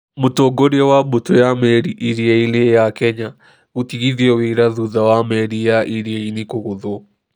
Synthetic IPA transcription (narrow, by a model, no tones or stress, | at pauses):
motɔɡoɾiɛwabutɔjamɛɾiʔiɾiɛilejakɛɲa | ɣutiɣiðiɛweɾaðuðawamɛɾijaʔiɾiainikoɣuðɔ